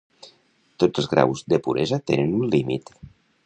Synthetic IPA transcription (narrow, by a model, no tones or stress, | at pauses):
t̪od͡zəlˠzɣɾa̰wzd̪əpuɾezat̪enənunlimḭt̪